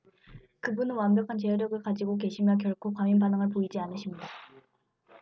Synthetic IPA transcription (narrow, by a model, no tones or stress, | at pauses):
kɯbunɯnwambjʌkʰant͡ɕeʌɾjʌɡɯɭkad͡ʑiɡok̬e̞ɕʰimjʌk̬jʌɭkʰokwaminbanɯŋɯɭp̬oid͡ʑianɯɕʰimɲida